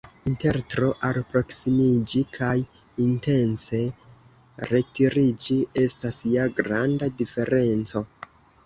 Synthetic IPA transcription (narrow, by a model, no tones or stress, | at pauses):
inte̞ɾtɾo̞ʔalpɾo̞ksimid͡ʒikʰaj | inte̞nse̞ | ɾe̞tiɾid͡ʒie̞stasiaɡɾandadife̞ɾe̞nt͡so̞